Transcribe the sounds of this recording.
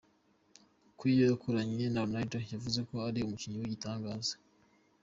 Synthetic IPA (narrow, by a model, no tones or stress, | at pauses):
kwijojakʰoɾaɲenanajtojavuze̞ko̞aɾiumuciɲiwiɟitaːŋɡaːzḁ